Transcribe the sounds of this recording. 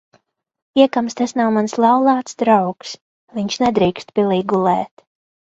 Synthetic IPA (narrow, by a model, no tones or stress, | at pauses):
iɛkamst̪asnawmanslˠawlˠaːt̪sd̪ɾawks | viɲʃnɛd̪ɾiːkst̪pʲilˠiɡulˠɛːt̪